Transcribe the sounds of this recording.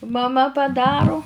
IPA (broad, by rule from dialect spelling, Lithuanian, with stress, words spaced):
mɐˈmɐ pɐˈdɑːrʊ